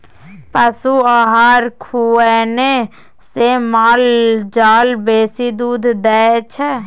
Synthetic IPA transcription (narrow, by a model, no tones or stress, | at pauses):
pəsuaːɦaːɾkʰuɛne | semaːld͡ʒaːlbeːsid̪uːd̪ʱd̪ɛːt͡ʃʰɛ